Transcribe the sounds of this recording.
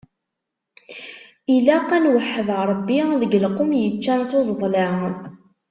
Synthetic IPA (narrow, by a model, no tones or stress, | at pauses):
ilæqːænwəħːəðɾˤəbːiðəɡlqʊmjət͡ʃːænθozˤðˤlæ